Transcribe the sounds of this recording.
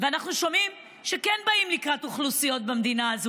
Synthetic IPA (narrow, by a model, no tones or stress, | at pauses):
veanaχnuʃo̞mim | ʃekenbaimlikʁatuχlusijo̞t̚bemd̪inaːzu